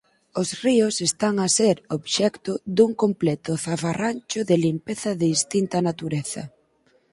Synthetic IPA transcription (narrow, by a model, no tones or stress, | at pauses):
ʊsriʊsest̪aŋaseɾoβʃɛkt̪ʊðuŋkomplɛt̪ʊθafaranʲt͡ʃʊðɪlimpeθɐðɪist̪int̪ɐnat̪uɾeθɐ̰